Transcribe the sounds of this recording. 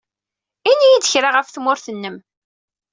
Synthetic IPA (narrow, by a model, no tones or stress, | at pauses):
inijid̪əçɾaʁəfθmʊɾθənːəm